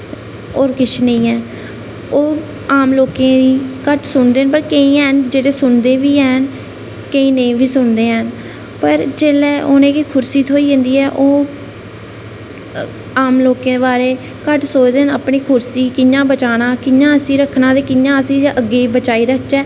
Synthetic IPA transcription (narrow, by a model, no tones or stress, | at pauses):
oːɾkɪt͡ʃʰnə̃ĩːɛː | oː | aːmloːkẽːd̪iːkəʈʰsʊnd̪eːnpəɾkəĩːɛnd͡ʒeːɽeːsʊnd̪eːʋiːɛːn | kəĩːnəĩːʋiːsʊnd̪eːɦən | pəɾd͡ʒeːlɛːoːnẽːkikʰʊɾsiːt̪ʰoːiːɦẽːnd̪iːɛːʔoː | aːmloːkẽːd̪ebaːɾeː | kəʈsoːd͡ʒd̪eːɦnəpɳiːkʰʊɾsiːkɪɲãːbət͡ʃaːnãːkɪɲãːəsĩːɾəkʰːnãːd̪eːkɪɲãːəsĩːʔəɡːeːbət͡ʃaːiːɾəkt͡ʃɛː